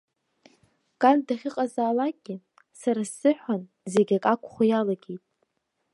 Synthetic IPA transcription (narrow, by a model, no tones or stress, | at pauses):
kʼandaχʲɪqʼazaːlak̚ʼɡʲɪ | saɾasːɨħʷᶣan | ze̞ɡʲakʼakʷʰʼχʷajalaɡʲejtʼ